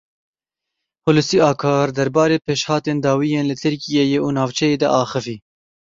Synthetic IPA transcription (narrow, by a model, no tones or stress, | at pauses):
hʊlɨsiːɑːkʰɑːɾd̪ɛɾbɑːɾeːpʰeːʃhɑːt̪eːnd̪ɑːwijeːnlɨt̪ʰɨɾkijejeːʔuːnɑːvt͡ʃʰɛjeːd̪ɛ̰ʔɑːxɨviː